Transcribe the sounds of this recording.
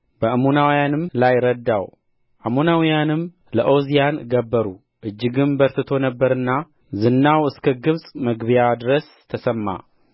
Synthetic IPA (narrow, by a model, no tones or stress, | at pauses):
bəʔəmunawjanɨmlajɾəd̪ːaw | ʔamunawjanɨm | ləʔozijanɡəbːəɾu | ʔɨd͡ʒːɨɡɨnbəɾt̪ɨt̪ʰo̞nəbːəɾɨnːa | zɨnːawɨskʰəɡɨβsʼməɡβjad̪ɨɾəs | t̪ʰːəsəmːa̰